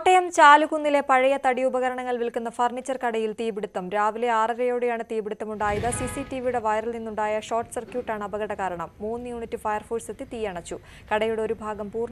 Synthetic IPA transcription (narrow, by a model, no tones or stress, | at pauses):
ʈːɐjɐmt͡ɕaːluɣunːile̞pɐɻɐjɐt̪ɐɽiubɐɣɐɾɐɳɐŋːɐɭʋilkunːɐfɐrɳit͡ɕːɐrkɐɽɐjilt̪iːbiɽut̪ːɐmɾaːʋileaːrɐɾɐjo̞ːɽejaːɳɨt̪iːbiɽut̪ːɐmuɳɖaːjɐðɐsisitːiʋijuɽe̞ʋɐjɾɐlninːuɳɖaːjɐɕo̞ːrʈːɨ̥sɐrkjuːʈːaːɳɨɐbɐɣɐɽɐkaːɾɐɳɐmːuːnːjuːɳitːifɐjɐrfuːsɐt̪ːit̪iːjɐɳɐt͡ɕːu | kɐɽɐjuɽeo̞ɾubʱaːɡɐmpuːrn